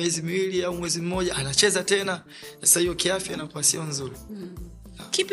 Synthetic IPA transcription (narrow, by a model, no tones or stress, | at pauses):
ɛzimiwiliaumwɛzim̩mɔʄaʔanat͡ʃɛzatɛna | sasahijɔkiafjanakuasiɔnzuɾi | kip